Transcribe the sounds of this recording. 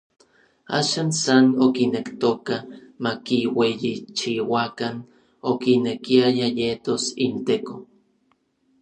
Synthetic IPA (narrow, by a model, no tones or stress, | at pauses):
a̰ːʃansanokinekt̪okamakiwejit͡ʃiwakan | okinekiajajet̪osint̪eko